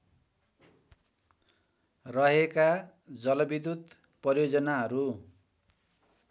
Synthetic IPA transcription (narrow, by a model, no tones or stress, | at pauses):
rʌɦeka | d͡zʌlʌbid̪ud̪ | pʌrijod͡zʌnaɦʌɾu